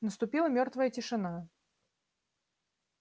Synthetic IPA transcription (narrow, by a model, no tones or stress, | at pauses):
nəst̪ʊpʲilˠəmʲɔrt̪vəjətʲɪʂɨna